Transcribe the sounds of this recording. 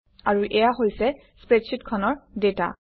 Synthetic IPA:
aɹuʔɛjaɦojsɛ | spɹetsʰitkʰɔnɔɹdeta̰

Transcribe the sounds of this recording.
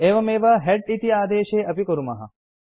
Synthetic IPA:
eːʋɐmeːʋɐɦɛɖit̪iaːd̪eːʃeːʔɐpikoɾumɐɦɐ̰

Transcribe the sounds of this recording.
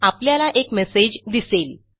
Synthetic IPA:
apljalaʔekmesed͡ʑd̪isel

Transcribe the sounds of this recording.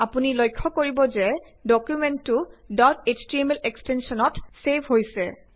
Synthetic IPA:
apunilojkʰːɔkoɹibɔzɛ | dɔkjumɛntːʊdɔtestɹimelekstensɔnɔtsebʱɦojsɛ

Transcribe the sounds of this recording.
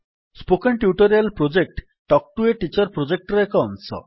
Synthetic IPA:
spokenʈjuʈɔɾialpɾod͡ʒek̚ʈ | ʈɔk̚ʈueʈit͡ʃɔɾpɾod͡ʒek̚ʈɾɔekɔɔnsɔ̰

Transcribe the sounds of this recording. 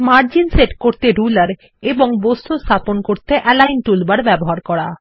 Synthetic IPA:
maɾd͡ʑinseʈkoɾt̪eɾulaɾ | eboŋbost̪ʰost̪ʰaponkoɾt̪eʔɛlajnʈulbaɾbɛboɦaɾkɔɽa

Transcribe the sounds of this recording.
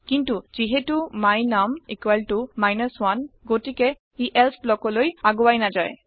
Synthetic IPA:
kintuz̥iɦɛtumajnamikwalʈumajnəswanɡotikɛ | iʔɛlsʰblɔkɔlojaɡowajnazaj

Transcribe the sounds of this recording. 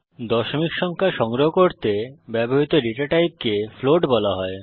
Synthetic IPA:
d̪ɔʃomikʃɔŋkʰaʃɔŋɾoɦokoɾt̪ebɛboɦit̪oɾiʈaʈajp̚kefloɖbɔlaɦɔe

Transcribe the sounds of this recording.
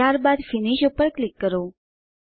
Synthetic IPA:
aɾbad̪fɪniʃupːəɾklɪkːəɾo

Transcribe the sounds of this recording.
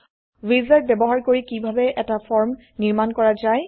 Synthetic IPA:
wizɛɹ̚bɛbɔɦaɹkoɹikibʱabɛʔɛtafʰɔɹm | niɹmankɔɹazaj

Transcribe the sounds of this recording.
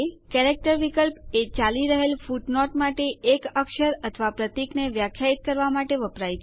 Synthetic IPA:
kɛɾek̚ʈəɾʋikəlpet͡ʃaliɾəɦelfuʈnɔʈmaʈeːkəkʃəɾət̪ʰʋapɾət̪ikneʋjakʰjait̪̚kəɾʋamaʈeʋəpɾajʰ

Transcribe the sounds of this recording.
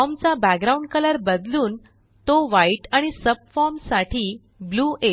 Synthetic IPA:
ɔmt͡sabæɡ̚ɡɾauɳɖkələɾbəd̪luːn | t̪oʋaiʈaɽ̃isəb̚fɔɾmsaʈʰiː | bluːʔe

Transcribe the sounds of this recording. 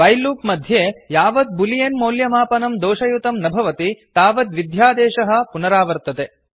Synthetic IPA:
ɐjluːpmɐd̪ʱjeːjaːʋɐd̪̚bulijenmoːljɐmaːpɐnɐmd̪ɔːʃɐjut̪ɐmnɐbʱɐʋɐt̪it̪aːʋɐd̪ʋid̪jaːd̪ɛːʃɐɦɐ̆punɐɾaːʋɐɾt̪ɐt̪e

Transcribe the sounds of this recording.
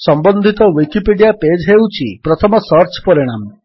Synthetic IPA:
sɔmbɔnd̪ʱit̪ɔwikipiɖijaped͡ʒɦewt͡ʃʰipɾɔt̪ʰɔmɔsɔɾt͡ʃpɔɾiɽ̃am

